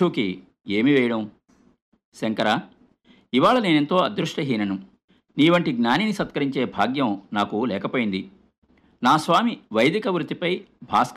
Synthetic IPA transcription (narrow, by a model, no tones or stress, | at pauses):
uːki | eːmiʋɛːjɐɽɐm | seŋkɐɾaː | iʋaːɭɐneːnent̪o̞ːɐd̪ɾuʂʈɐɦiːnɐnu | niːʋɐɳʈiɡnaːninisɐt̪̚kɐɾiɲt͡ʃe̞ːbʱaːɡjɐmnaːkulɛːkɐpoːjind̪i | naːsʋaːmiʋɐjd̪ikɐʋɾut̪ːipɐjbʱaːsk